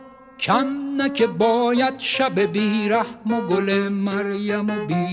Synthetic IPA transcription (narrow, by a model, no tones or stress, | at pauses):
kʰamnakʰebɔːjad̪ʃabebiːɾahmoɡolemaɾjamobiː